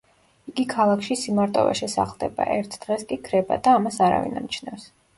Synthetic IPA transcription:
iɡikʰalˠakʰʃisimaɾt̪ʼɔ̰va̰ʃɛsaχlˠd̪ɛba̰ʔɛɾt̪ʰd̪̥ʁɛskʼikʰɾɛbad̪aːmasaɾa̰vḭna̰mt͡ʃʰnɛfs

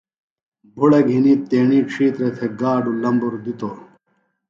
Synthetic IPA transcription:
bʱuɽɐɡʱiniːt̪eːɳiːʈ͡ʂʰiːt̪ɾet̪ʰeɡaːɖulɐmbuɾd̪it̪oː

